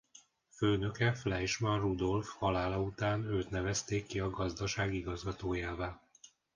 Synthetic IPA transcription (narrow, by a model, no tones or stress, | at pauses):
føːnø̞kɛflɛjʃmɒrud̪o̞lfhɒlaːlɒut̪aːnøːt̪nɛvɛst̪eːkːiɒɡɒzd̪ɒʃaːɡiɡɒzɡɒt̪oːjaːvaːl